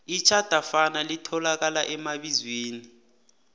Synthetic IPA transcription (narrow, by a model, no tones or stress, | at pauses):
it͡ʃʰad̥ʱafanalitʰɔlak̬alaʔɛmaɓizweːni